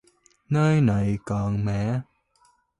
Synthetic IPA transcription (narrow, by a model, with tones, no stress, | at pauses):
nəː˧jna˨˩jkɔː˨˩nmɛ̰˧˨